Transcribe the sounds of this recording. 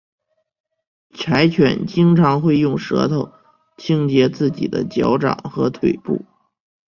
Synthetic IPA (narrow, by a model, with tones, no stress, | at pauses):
ʈ͡ʂʰa˧˥ɪt͡ɕʰɥɛ̰˨˩˦nt͡ɕi˥ŋʈ͡ʂʰɑ˧˥ŋxwe˥˧ɪjʊ˥˩ŋʂɤ̰˧˥t̪ʰo˥˩ʊ | t͡ɕʰi˥ŋt͡ɕjɛ˧˥t͡sɹ̩˥˩t͡ɕḭ˨˩d̪ə̰˦t͡ɕjɑ˧˥ʊʈ͡ʂɑ̰˨˩ŋxɤ˧˥t̪ʰwe˨˩ɪpṵ˥˩